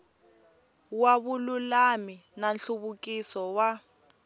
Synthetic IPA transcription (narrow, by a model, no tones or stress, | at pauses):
waβululaminanɬuβukisɔwa